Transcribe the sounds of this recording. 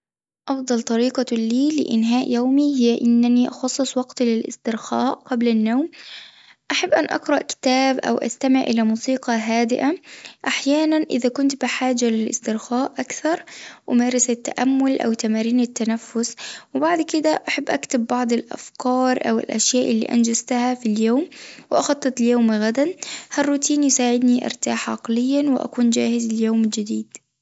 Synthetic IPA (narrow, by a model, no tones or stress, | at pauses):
ʔɑfd̪ˤɑlt̪ˤɑɾiːqɑliːlɪ̰ʔɪ̰nɦaːʔjoːmihɪjʔɪnːaniʔɑxɑsˤːɨsˤwɑɡt̪lɪlʔɪ̰st̪ɪɾxaːʔqɑblanːoːm | ʔaħabːʔanʔɑ̰qɾˤɑʔkɪ̥t̪aːbʔa̰wʔa̰st̪amɪʕʔɪ̰lamuːsiːqɑɦaːd̪ɪʔaʔaħjaːnanʔɪ̰ðakʊnt̪bɪħaːd͡ʒalɪlʔɪ̰st̪ɪɾxaːʔʔakθɑɾˤʔʊmaːɾˤɑsat̪ːa̰ʔamːʊlʔa̰wt̪amaːɾiːnɪt̪ːanafːʊswɪbaʕd̪kɪd̪aʔaħabːʔakt̪abːɑʕd̪ˤɪlʔa̰fkɑːɾˤʔa̰wɪ̰lʔa̰ʃjaːʔɪlːḭːʔa̰nd͡ʒazt̪ahafiljoːmwɪʔɑxɑt̪ˤːɨt̪ˤljoːmɣad̪anharːuːt̪ʰiːnjɪsaːʕɪd̪niʔɑ̰ɾˤt̪aːħʕɑ̰qlɪjːanwɪʔa̰kuːnd͡ʒaːhɪzlɪjoːmɪld͡ʒɪd̪iːd̪